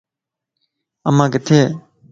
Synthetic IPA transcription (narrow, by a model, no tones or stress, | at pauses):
ʔamakit̪ʰe